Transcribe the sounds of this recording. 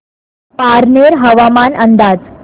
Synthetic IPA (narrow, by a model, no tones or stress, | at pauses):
paɾneɾɦəʋamanənd̪ad͡z